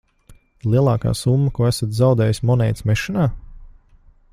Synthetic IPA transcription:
lˠiɛlˠɑːka̰ːsumːɐkuɔæsat̪zawd̪ɛːjismɔnɛjt̪smɛʃinaː

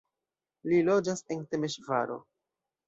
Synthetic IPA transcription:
lilo̞d͡ʒase̞nte̞meʃvaɾo̞̰

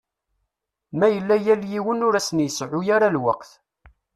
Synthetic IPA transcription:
mæjəlːæjæljiwənʊɾæsənjəsʕʊjaɾalwəqθ

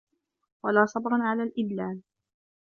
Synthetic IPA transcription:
walaːsˤɑbɾˤɑnʕalaːlʔɪd̪laːl

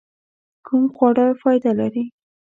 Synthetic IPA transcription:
kʰumxwaɽɑjfɑjd̪alaɾi

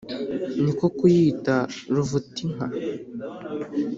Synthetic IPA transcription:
nikokujiːtaɾuvutiŋ̥a

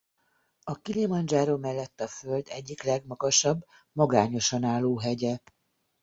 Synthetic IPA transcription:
ɒkilimɒnd͡ʒaːɾomɛlːɛt̪ːɒfø̞ld̪ɛɟːiklɛɡmɒɡɒʃɒbː | mɒɡaːɲo̞ʃɒnaːlːoːɦɛɟɛ

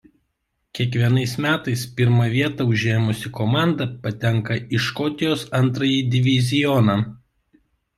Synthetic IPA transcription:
kʲiɛkʋʲiɛnɐɪsmʲæːt̪ɐɪspʲɪɾmɐʋʲiɛt̪ɑʊʒʲeːmʊsʲɪkɔmɑˑnd̪ɐpɐt̪ʲɛŋkɐɪʃkɔt̪ʲɪjoːsɐnt̪ɾɐjiːd̪ʲɪʋʲɪzʲɪjɔnɑ

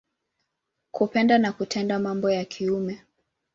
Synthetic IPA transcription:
kupɛndanakutʰɛndamambɔjakʰiumɛ

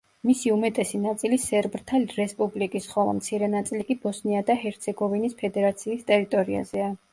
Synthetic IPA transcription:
misiumɛt̪ʼɛsinat̪sʼilisɛɾbɾt̪ʰalɾɛspʼublikʼisχɔlˠa̰mt̪sʰiɾɛnat̪sʼilikʼibɔsniad̪aɦɛɾt̪sʰɛɡɔvinispʰɛd̪ɛɾat̪sʰiːst̪ʼɛɾit̪ʼɔɾia̰zɛa

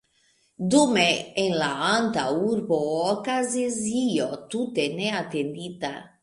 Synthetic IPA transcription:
d̪umeenlaant̪auɾboɔkaziziot̪ut̪eneat̪end̪it̪a

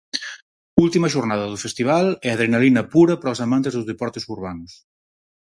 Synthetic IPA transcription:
ulˠt̪imɐʒurnaðɐðufest̪iβ̞alɛɐð̞ɾenalinɐpuɾɐpɾɔsamant̪ezðuzðepɔɾt̪esuɾβanus

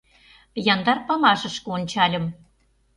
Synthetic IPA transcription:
jɑnd̪ɑrpɑmɑʃɤ̆ʃkɤ̆onʲt͡ɕɑlʲɤ̆m

